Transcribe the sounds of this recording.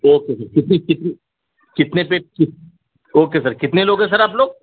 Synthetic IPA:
oːkesɐɾkɪt̪nekɪt̪ne | kɪt̪nepekɪ | oːkes̬ɐɾkɪt̪neloːɡɦɛ̃s̬ɐɾaːp̬loːɡ̚

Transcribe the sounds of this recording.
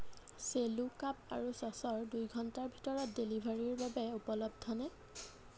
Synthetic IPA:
selukap̚a̰ɹusɔsɔɹdujɡʱɔntaɹbʱitɔɹɔt̚delibʱaɹiɹbabɛupɔlɔb̚dʱɔna

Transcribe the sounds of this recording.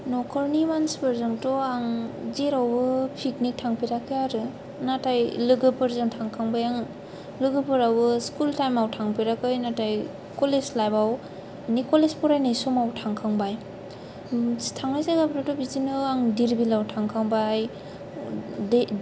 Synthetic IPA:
nɔkʰɔɾnimanspɯɾzɯŋtɔaŋzeɾawbɯpʰiknik̚tʰaŋpiɾakɯjaɾɯ | natajlɯɡɯpɯɾzɯŋtʰaŋkʰaŋbajaŋ | lɯɡɯpɯɾawbɯskultajmawtʰaŋpiɾakɯjnataj | kɔleslajbaw | nikɔlespɔɾajnajsɔmawtʰaŋkʰaŋbaj | tʰaŋajzaɡapɾatɔbizinɯaŋdiɾbilawtʰaŋkʰaŋbaj | d

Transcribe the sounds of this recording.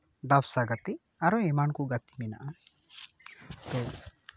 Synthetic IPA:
d̪absaɡat̪i | aɾɔɛmankuɡat̪i̥mɛna̰ʔa | t̪ɔ

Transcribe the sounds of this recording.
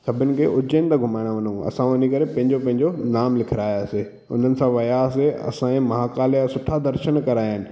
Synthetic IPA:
sɐbʱɪnɪ̆kʰeːʔʊd͡ʑənɪt̪aɡʱʊmaːɪɽ̃aʋɐnũɐ̰sãʊnikɐɾepɐ̃ɦɪ̃ɲd͡ʑopɐ̃ɦɪ̃ɲd͡ʑonaːmlɪkʰɪɾaːjase | ʊ̰n̤ənɪ̆sãʋɐjaːseɐ̰sãẽmɐɦaːkaːljasʊʈʰad̪ɐɾʃənkɐɾaːjənɪ̆

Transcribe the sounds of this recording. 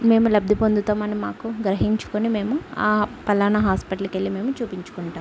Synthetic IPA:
me̞ːmulɐb̚d̪ʱipond̪ut̪ɐːmɐnimaːkuɡɾɐɦiɲt͡ʃu̥konime̞ːmuaːpɐlaːnɐɦaːspiʈɐlukelːime̞ːmut͡ʃuːpiɲt͡ʃu̥kuɳʈaːm

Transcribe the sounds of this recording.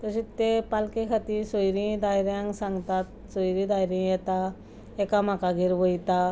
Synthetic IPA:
t̪əɕit̪ːepalkekʰat̪isojɾĩd̪ajɾjãŋɡsãŋɡt̪at̪ | sojɾĩd̪ajɾjĩjɛt̪a | ekam̤akaɡʱiɾʋəjt̪a

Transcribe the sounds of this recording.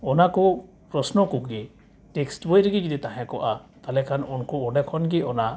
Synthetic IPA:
ɔnakɔ | pɾɔsnɔkɔɡɛ | ʈɛksʈbɔjɾɡiɡid̪ɛt̪aɦɛ̃kɔʔat̪alɛkʰanɔnkɔɔɖɛkʰɔnɡɛɔna

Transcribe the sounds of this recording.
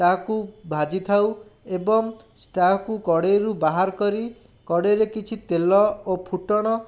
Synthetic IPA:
t̪akubʱad͡ʒit̪ʰawebɔŋsʈakukɔɽeɾubaɦaɾɔkɔɾi | kɔɽeɾekit͡ʃʰit̪elɔopʰuʈɔɽ̃ɔ

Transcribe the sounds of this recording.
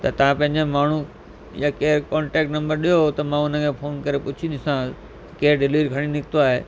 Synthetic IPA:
t̪ɐt̪ɐʋ̤ãpɐ̃ɦɪ̃ɲ̆d͡ʑemaːɳ̤u | jakeːɾkɔːɳʈɛːk̚ʈnɐ̃mbəɾɗijoɦt̪ɐmãʊnəkʰẽːfʰoːnkɐɾepʊt͡ɕʰid̪ɪsã | keːɾɖɪliːɾkʰɐɽ̃inɪkʰt̪oaːɦeː

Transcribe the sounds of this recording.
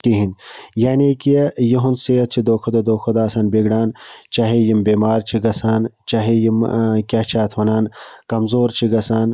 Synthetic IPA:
t̪iɦinjaːnekijɐɦunseɐt͡ʃʰid̪oːkʰod̪ɐd̪oːkʰɐd̪aːsaːnbeɡɽaːnt͡ʃaɦejimbeːmaːɾt͡ʃʰiɡɐsaːnt͡ʃaɦejimkʲat͡ʃʰaːt̪ʰʋɐnaːnkɐmzoːɾt͡ʃʰiɡɐsaːn

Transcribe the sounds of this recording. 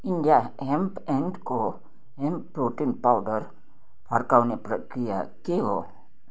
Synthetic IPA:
inɖijaɦempẽnɖko | ɦempːɾoːʈinpawɖəɾ | pʰaɾkawnepɾəkɾija̰keɦo̰

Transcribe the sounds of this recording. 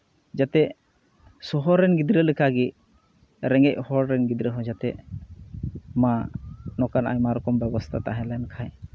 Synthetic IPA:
d͡ʒat̪ɛ | sɔɦɔɾːɛnɡid̪ɾɛlikʰaɡi | ɾɛŋɡɛc̚hɔɾɾɛnɡid̪ɾɛɦɔ̃d͡ʒat̪ɛʔ | manɔkana̰jmaɾɔkɔmbɛbɔst̪ʰat̪aɦɛ̃lɛnkʰaj

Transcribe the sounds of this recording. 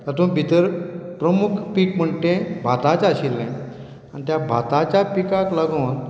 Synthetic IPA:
t̪əɾt̪ũːbʱit̪əɾpɾəmukʰpikm̤əɳʈẽbʱat̪at͡saɕilːɛ̃ | añit̪jabʱa̰t̪at͡ɕjapikaklaɡoːn

